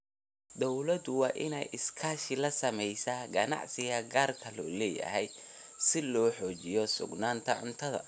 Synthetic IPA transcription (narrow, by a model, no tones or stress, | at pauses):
d̪ɔwlɐd̪ʊwɑːʔɪnɛ̰jʔɪskʰaːʃɪlɐsɐmɛjsaːɡɐnɑ̰ʕsɪɣɐɡaːrkʰɐlɔ̰ːlɛːjɐ̰ɦɛj | sɪlɔːħɔːt͡ʃɪjɔsʊ̰ɡnaːnt̪ʰɐʕʊnt̪ʰɐðɐ̰